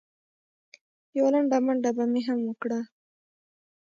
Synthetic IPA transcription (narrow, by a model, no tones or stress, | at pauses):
jawalaɳɖamaɳɖabameɦamwəkɽa